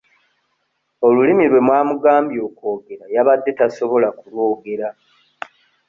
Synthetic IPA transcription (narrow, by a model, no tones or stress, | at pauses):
o̞lulimiɾwe̞mwaːmuɡaːmbjo̞ko̞ːɡe̞ɾajaβadːe̞taso̞βo̞lakuɾwo̞ːɡe̞ɾa